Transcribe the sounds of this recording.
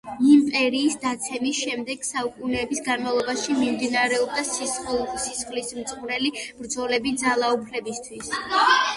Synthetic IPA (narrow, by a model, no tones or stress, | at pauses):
impʼɛɾiːsd̪at̪sʰɛmisʃɛmd̪ɛɡ̥saukʼunɛːbisɡanmavlˠɔbaʃimimd̪inaɾɛɔb̚d̪assisχlismt̪sʼqʼuɾɛlib̥ɾd̪zɔlɛbid̪zalˠaupʰlɛbist̪ʰwis